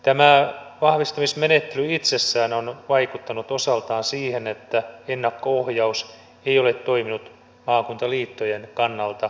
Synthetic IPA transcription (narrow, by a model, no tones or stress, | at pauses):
t̪æmæʋɑhʋist̪ɑmismenet̪ːelyit̪sesːæːnonʋɑikut̪ːɑnut̪osɑlt̪ɑːnsiːhenet̪ːæenːɑkːoohjɑus | eiolet̪toiminut̪ | mɑːkunt̪ɑliːt̪ːojenkɑnːɑlt̪ɑ